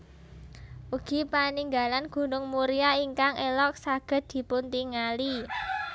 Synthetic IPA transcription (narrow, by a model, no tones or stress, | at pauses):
uɡ̥i̤paniŋɡa̤lanɡ̥ṳnʊŋmuɾiaiŋkaŋʔelɔk̚saɡ̥ə̤t̪̚d̪̥i̤punt̪iŋali